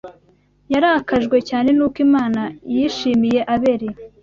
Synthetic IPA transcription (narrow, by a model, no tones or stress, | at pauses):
jaɾakaʒɡwe̞caːne̞nuːkimaːnajiʃiːmije̞ʔaβe̞ɾe